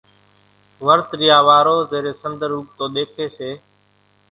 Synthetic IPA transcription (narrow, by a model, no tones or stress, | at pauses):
ʋəɾt̪ɾɪjaːʋaːɾoːzeːɾeːsənd̪əɾɦuːp̚t̪oːɗ̪eːkʰeːseː